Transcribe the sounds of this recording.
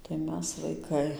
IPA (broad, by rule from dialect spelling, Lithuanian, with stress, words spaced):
tɐɪ ˈmʲɛs ʋɐɪˈkɐɪ